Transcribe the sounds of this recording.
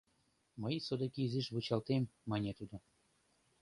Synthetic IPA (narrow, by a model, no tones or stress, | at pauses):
məjsod̪ekiyzeʃβut͡ɕɑlt̪emːɑnʲet̪ud̪o